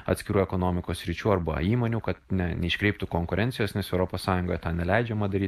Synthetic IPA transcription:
ɐt̪sʲkʲɪɾuːɛkonoːmʲɪkoːssʲɾʲɪt͡ʃʲuːɐɾbɐ̰iːmoːnʲuːkɐt̪nʲɛnʲɛɪʃʲkɾʲɛɪp̚t̪uːkoŋkʊɾʲɛnʲtsʲɪjoːsnʲɛsɛʊɾoːpoːssɑːjʊŋɡoːjɛt̪ɑːnʲɛlʲɛɪd͡ʒʲɛmɐd̪ɐɾʲiːt̪

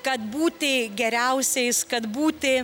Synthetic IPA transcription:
kɐt̪buːt̪ʲɪɡʲɛɾʲɛʊsʲɛɪskɐt̪buːt̪ʲɪ

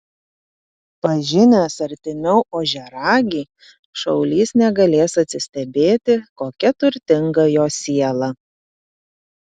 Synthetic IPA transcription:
pɐʒʲɪnʲɛsɐɾʲt̪ʲɪnʲɛʊʔoːʒʲɛɾɑːɡʲiː | ʃɐʊlʲiːsnʲɛɡɐlʲeːsɐt̪ʲsʲɪsʲt̪ʲɛbʲeːt̪ʲɪkoːkʲɛt̪ʊɾʲt̪ʲɪŋɡɐjoːsʲiɛlˠɐ

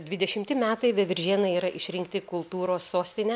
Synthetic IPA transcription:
d̪ʲʋʲɪd̪ʲɛʃʲɪmʲt̪ʲɪmʲæːt̪ɐɪʋʲɛʋʲɪɾʲʒʲiːnɐɪiːɾɐʔɪʃʲɾʲɪŋkt̪ʲɪkʊlˠt̪uːɾoːsːoːsʲt̪ʲɪnʲɛ

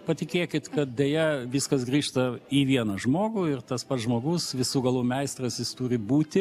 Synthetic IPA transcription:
pɐt̪ʲɪkʲeːkʲɪt̪kɐt̪̚d̪ʲeːjɛʋʲɪskɐsɡɾʲiːʃt̪ɐiʋʲiɛnɐʒmoːɡʊɪrt̪ɐspɐt̪sʒmoːɡʊsʋʲɪsuːɡɐlˠuːmʲɛɪst̪rɐsjɪst̪uːɾʲɪbuːt̪ʲɪ

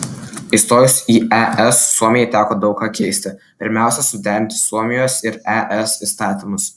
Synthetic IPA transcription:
ɪst̪oːjʊsiːɛʔɛsːuɔmʲɪjɛɪt̪ʲæːkoːd̪ɒʊkkɑːkʲɛɪsʲt̪ʲɪ | pʲɪɾʲmʲæˑʊsʲɛsʊd̪ʲæːɾʲɪnʲt̪ʲɪ̥suɔmʲɪjoːsɪɾɛʔɛsiːˑst̪ɑːt̪ʲɪmʊs

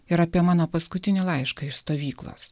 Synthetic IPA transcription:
ɪɾɑːpʲiɛmɑːnoːpɐskʊt̪ʲɪnʲɪlˠɑɪʃkɐɪʃst̪oːʋʲiːklˠo̰s

